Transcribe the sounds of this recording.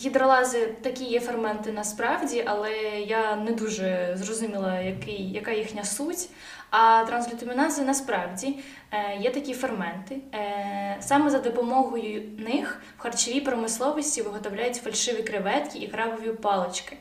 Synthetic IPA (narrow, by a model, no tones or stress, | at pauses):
xʲid̪ɾɔlˠɑzɪt̪ɐkʲijɛfɐɾmɛnt̪ɪnɐspɾɑwdʲiʔɐlˠɛjanɛd̪uʒɛzrɔzʊmʲilˠɐjɐkɪjjɐkɑjixnʲɐsutʲ | ɐt̪ɾɐnzlʲʊt̪ʊmʲinɑzɪnɐspɾɑwdʲi | jɛt̪ɐkʲifɐrmɛnt̪ɪ | sɑmɛzɐd̪ɔpɔmɔɦɔjʊnɪx | wxɐrt͡ʃɪʋʲipɾɔmɪslˠɔʋɔsʲtʲiʋɪɦɔt̪ɔwlʲajʊtʲfɐlʲʃɪʋʲikɾɪʋɛt̪kʲiʔikɾɑʋɔʋʲipɑlˠɪt͡ʃkɪ̥